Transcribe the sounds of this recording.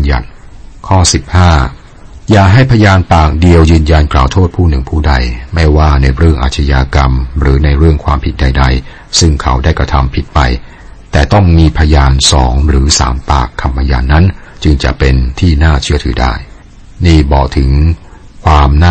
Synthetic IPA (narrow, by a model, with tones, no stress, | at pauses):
ja̰˨˩n̚kʰɔː˥˩si˨˩p̚haː˥˩ | jaː˨˩ɦa˥˩jpʰa˧jaː˧npaː˨˩k̚di˧əwjɯː˧nja˧nklaː˨˩wt̪ʰoː˥˩t̪̚pʰuː˥˩nɯ˨˩ŋpʰuː˥˩da˧jma˥˩jwaː˥˩na˧jɾɯ˥˩əŋʔa̰ː˨˩t̪̚t͡ɕʰa˧jaː˧ka˧mɾɯː˩˦na˧jɾɯ˥˩əŋkʰwaː˧mpʰi˨˩t̪̚da˧jda˧j | sɯ˥˩ŋkʰa˦˥wdaː˥˩jkɾa˧t̪ʰa˧mpʰi˨˩t̪̚pa̰˧j | t̪ɛː˨˩t̪ɔ˥˩ŋmiː˧pʰa˧jaː˧nsɔ̰ː˩˦ŋɾɯː˩˦sa̰ː˩˦mpa̰ː˨˩kʰːa˧mpʰa˧ja̰ː˧nːa˦˥nt͡ɕɯ˧ŋt͡ɕa̰˨˩ʔpe˧nt̪ʰiː˥˩naː˥˩t͡ɕʰɯ˥˩ət̪ʰɯː˩˦da̰ː˥˩j | niː˥˩bɔː˨˩k̚t̪ʰɯ˩˦ŋ | kʰwaː˧mna˥